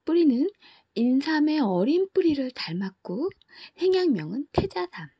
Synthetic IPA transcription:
p͈uɾinɯn | insʰame̞ʌɾinp͈uɾiɾɯɭtaɭmak͈̚o | sʰe̞ŋjaŋmjʌŋɯntʰe̞d͡ʑasʰam

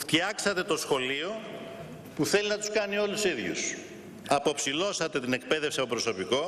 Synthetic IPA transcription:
ft̪çɐksɐt̪e̞t̪o̞sxo̞lio̞ | puθe̞linɐt̪u̥skɐnio̞lusiðʝṵs | ɐpo̞psilo̞sɐt̪e̞t̪ine̞k̚pe̞ðe̞fsiɐpopɾo̞so̞piko̞

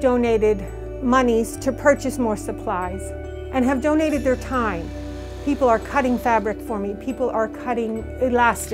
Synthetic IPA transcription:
dõʊ̃neɪɾɪd̚ | mʌniz̥tʰɨpʰɜ˞t͡ʃɨsmɔɹsəpʰl̥aɪz̥ | ʔɨ̃nɨvdõʊ̃neɪɾɨd̪̚ðə˞tʰãɪ̃m | pʰipl̩ˠə˞kʰʌɾɪ̃ŋfæbɹɨkfə˞mipʰipl̩ˠə˞kʰʌɾɪ̃ŋ | ɪlæst

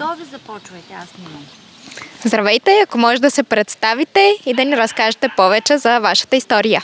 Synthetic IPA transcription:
d̪ɔvizɐpɔt͡ʃvət̪ɛasmɛn | zd̪ɾɐvɛjt̪ɛɐkomɔʒɛd̪ɐsɛpɾɛt̪st̪avit̪ɛid̪ɐniɾɐskaʒɛt̪ɛpɔvɛt͡ʃɛzɐvaʃə̥t̪əist̪ɔɾijə

